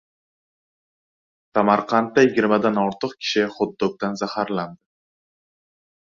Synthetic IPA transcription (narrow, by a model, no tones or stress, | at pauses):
samaɾqʰɑnt̪ːajɪɡʲɪɾmad̪anɒɾt̪ʰɨqkʲʰɪ̥ʃɪχod̪ːok̚d̪anzahaɾland̪ɪ